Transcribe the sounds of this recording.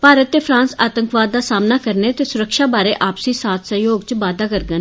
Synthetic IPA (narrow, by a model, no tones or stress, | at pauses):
paːɾət̪ːeːfʰpʰɾãːnsaːt̪əŋkʋaːd̪̚ːaːsaːmnaːkəɾneːt̪eːsʊɾəkʃaːbaːɾeːʔaːpsĩːsaːt̪ʰsəɦjoːɡt͡ʃʋaːd̪aːkəɾɡən